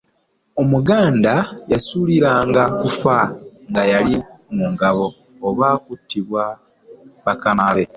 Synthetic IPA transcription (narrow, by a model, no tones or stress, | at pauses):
o̞muɡaːndajasuːliɾaːŋɡakufaŋɡajalimuŋɡaβo̞ː | βaːkutːiβwa | βakanaβe